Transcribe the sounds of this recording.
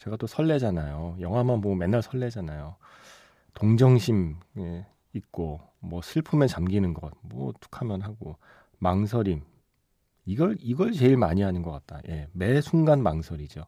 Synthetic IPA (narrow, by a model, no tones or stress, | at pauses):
t͡ɕe̞ɡat͈osʰʌɭːe̞d͡ʑanajojʌŋɦwamanmʌme̞nːaɭsʰʌɭːe̞d͡ʑanajo | toŋd͡ʑʌŋɕʰime | it̚k͈o | mwʌsʰɯɭpʰumet͡ɕamɡinɯnɡʌ̰t̚mwʌtʰu̥kʰamjʌnɦaɡo | maŋs̬ʰʌɾim | iɡʌɭiɡʌɭt͡ɕe̞iɭmaɲiɦanɯnɡʌk͈at̚t͈a̰jʔe̞me̞sʰuŋɡanmaŋsʰʌɾid͡ʑo